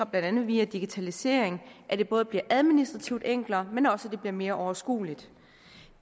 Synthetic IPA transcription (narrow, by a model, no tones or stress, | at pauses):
ɐb̥lænd̥ænð̞ˠʋiːɐd̥iɡ̥it͡sʰælise̝̰ːɐ̰eŋʔæd̥e̝b̥ɔ̽ːð̞̩ˠb̥liɐʔæð̞ˠminisd̥ʁɑ̈t͡sʰiʊd̥eŋ̰ɡ̥lɐːmenɒ̽sæd̥e̝b̥liɐme̝ːɐʔɒʊɐsɡ̥ṵːlid̥